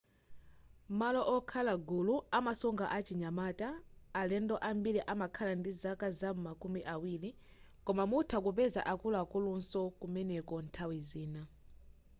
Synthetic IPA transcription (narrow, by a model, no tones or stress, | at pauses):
malɔʔɔkʰalaɡuluamasɔŋɡaʔat͡ʃiɲamataːlɛndɔʔambiɾiʔamakʰalandizakazamakumiʔawili | kɔmamutʰakupɛza̰ʔakulakulunsɔkumɛnɛkɔntʰawiziːna